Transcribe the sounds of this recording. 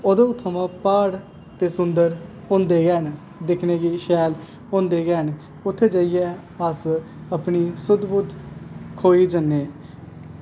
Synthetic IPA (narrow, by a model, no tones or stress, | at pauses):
od̪õːt̪ʰːəmãːpaːɽ | t̪eːsʊnd̪əɾ | ʊ̃ːnd̪eːɡɛːn | d̪ɪkʰneːɡiːʃɛːl | õːnd̪eːɡɛːn | ʊt̪ʰːeːd͡ʒəijɛː | əs | əpniːsʊd̪buːd̪kʰoːiːd͡ʒənːeː